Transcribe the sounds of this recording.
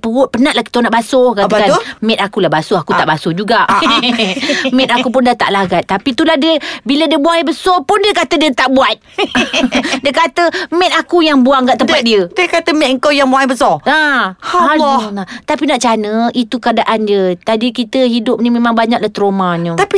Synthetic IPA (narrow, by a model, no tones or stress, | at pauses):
pəʊt̪̚pənaʔ̚lahki̥t̪onaʔbasokat̪amɛt̪akulahbasʊhakut̪aʔbasod͡ʒuɡaʔ | mɛt̪akup̬ʊndat̪a̰ʔlaɡat̪̚t̪ːapit̪ulahdəbilədiəbuaŋabəsɔpʊndiəkat̪ədiət̪aʔbuat̪̚ | diəkat̪əmɛt̪̚akujaŋbuaŋɡaʔt̪əmpat̪̚diədəkat̪əmɛt̪̚ŋ̩kawjaŋbuaŋbəsɔaaɔlat̪apinaʔt͡ʃanəit̪ukəadaʔand͡ʒət̪adikit̪əɦidʊp̚nimemaŋbaɲak̚laht̪ɾomaɲət̪api